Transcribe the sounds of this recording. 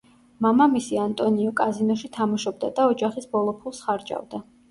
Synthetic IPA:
mamamisiant̪ʼɔniɔkʼazinɔʃit̪ʰamaʃɔb̚d̪a̰d̪aɔd͡ʒaχisbɔlˠɔpʰulˠsχaɾd͡ʒʼa̰vd̪a

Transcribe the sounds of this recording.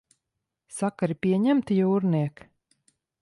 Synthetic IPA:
sakaɾipʲiɛɲæmt̪ijuːɾniɛk

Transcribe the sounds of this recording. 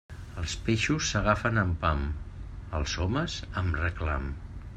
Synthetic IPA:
əlˠspeʃusːəɣ̞afənəmpaməlˠzɔməzəmrəkla̰m

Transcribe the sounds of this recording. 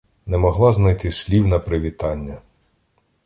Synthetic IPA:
nɛmɔɦlˠɑznɐjt̪ɪsʲlʲiwnɐpɾɪʋʲit̪ɑnʲːɐ

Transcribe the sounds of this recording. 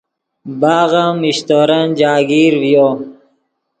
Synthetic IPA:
baːɣamiɕt̪oːɾɐnd͡ʑaːɡiːɾvjo

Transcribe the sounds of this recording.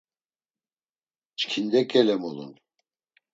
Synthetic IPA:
t͡ʃʰkʰind̪ɛkʲɛlɛmolˠṵn

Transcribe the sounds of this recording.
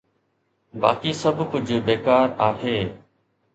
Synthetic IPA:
baːkiːsəbʱkʊd͡ʑʱbeːkaːɾaːheː

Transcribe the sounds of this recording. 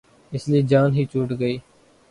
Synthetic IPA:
ɪslied͡ʒaːnɦiːt͡ʃuːʈɡəiː

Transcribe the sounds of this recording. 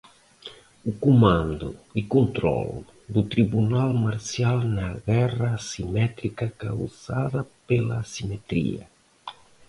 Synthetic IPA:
ukumãnd̪ʊikõnt̪ɾɔ̰lʊ | d̪ut̪ɾiβunalmaɾsjalnɐɣɛrɐːsimɛt̪ɾikɐka̰wzaðɐpelɐsimet̪ɾḭɐ̰

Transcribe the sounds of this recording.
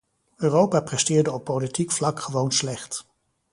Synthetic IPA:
øːrowpaːprɛstɪːɹdəɔpːowlitikflɑkχəʋownslɛχt

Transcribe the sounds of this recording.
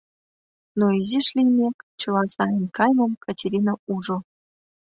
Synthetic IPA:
noiziʂlʲijmʲekʲt͡ɕɤ̆lˠɑzɑjɤ̆nʲkɑjmɤ̆mkʰatʲeɾʲinauʐɤ̆

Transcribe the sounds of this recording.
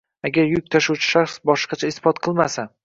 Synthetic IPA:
aɡʲaɾjʊk̚ʲt̪ʰaʃuwt͡ʃʰɪ̥ʃaχsbɒʃqʰɑt͡ʃʰaɪsfɒt̪qʰɨlˠmasa

